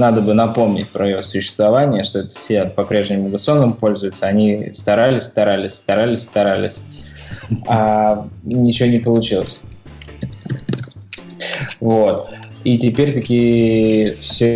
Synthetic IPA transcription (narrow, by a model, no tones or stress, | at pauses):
nad̪əbɨnɐpo̞mnʲɪ̰tʲpɾəjɪvo̞sʊɕːɪ̥st̪vɐvanʲɪjəʂt̪o̞ɛt̪ə̥sʲɪdʲapɐpɾʲeʐnʲɪmʊɡəso̞nəmpo̞lʲzʊjɪt̪səɐnʲist̪ɐɾalʲɪsʲst̪ɐɾalʲɪsʲst̪ɐɾalʲɪsʲst̪ɐɾalʲɪ̰sʲ | a | nʲɪt͡ɕɪvonʲɪpəlˠʊt͡ɕilˠəsʲ | vo̞t̪ | itʲɪpʲeɾʲt̪ɐkʲi | fsʲo